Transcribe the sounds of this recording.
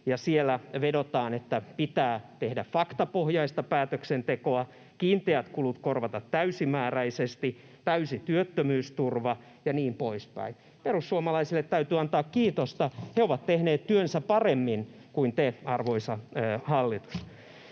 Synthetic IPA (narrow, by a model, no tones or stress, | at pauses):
jɑsielːˑæʋedot̪ɑːnet̪ːæpit̪æːt̪ehdæffɑkt̪ɑpohjɑist̪ɑpæːt̪øksent̪ekoɑ | kiːnt̪eæt̪kulut̪korʋɑt̪ɑt̪tæysimæːræisest̪i | t̪æysit̪yøt̪ːømyːst̪urʋɑ | jɑniːmpoispæ̰in | perusːuomɑlɑisilːet̪tæyt̪yːɑnt̪ɑːkkiːt̪ost̪ɑheoʋɑt̪t̪ehneːt̪t̪yønsæpɑremːinkuint̪eɑrʋoisɑhɑlːit̪u̥s